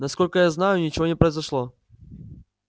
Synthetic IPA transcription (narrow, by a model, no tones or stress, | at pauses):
nɐskɔlʲkəjaznajʊnʲɪt͡ɕɪvonʲɪpɾəjzɐʂlˠɔ